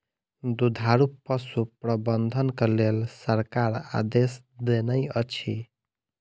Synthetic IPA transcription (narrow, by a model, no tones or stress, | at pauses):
d̪ud̪ʱaɾupːəsupɾəbənd̪ʱənkelelsəɾkaɾa̰d̪es | d̪enəjət͡ʃʰi